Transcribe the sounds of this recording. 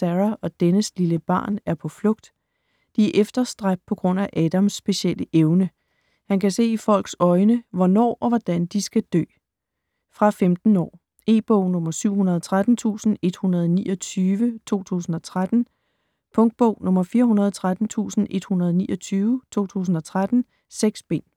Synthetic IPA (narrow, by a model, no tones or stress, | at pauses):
sæʁæɒ̽d̥enəsliləb̥ɑ̰̈ːnæɐpʰɒ̽flɔ̽ɡ̥d̥ | d̥iæʔefd̥ɐsd̥ʁḁpʰɒ̽ɡ̥ʁɔ̽n̰æʔɛːd̥æmsːb̥e̝ɕeləʔeʊnə | hænkʰæse̝̰ːifɒ̽l̰ɡ̥sɒ̽ɪnəʋɒnɒ̰ːʔɒ̽ʋɒd̥ænd̥isɡ̥æd̥ø̰ː | fʁɑ̈femd̥n̩ɒ̰ː | e̝̰ːb̥ɔʊ̰nɔ̽mɐsyʊ̰hunɐð̞ˠɒt͡sʰʁad̥n̩t͡sʰṵːsn̩e̝d̥hunɐð̞̩ˠɒnḭːɒ̽t͡sʰyːʋət͡sʰo̝̰ːt͡sʰṵːsn̩ɒ̽t͡sʰʁad̥n̩ | pʰɔ̽ŋd̥̚b̥ɔʊ̰nɔ̽mɐfiːɐɦunɐðˠt͡sʰʁad̥n̩t͡sʰṵːsn̩ʔe̝d̥hunɐð̞ˠnḭːʔɒt͡sʰyːʊət͡sʰo̝̰ːt͡sʰṵːs̬n̩ɒ̽t͡sʰʁad̥n̩ | seɡ̥sb̥e̝n̰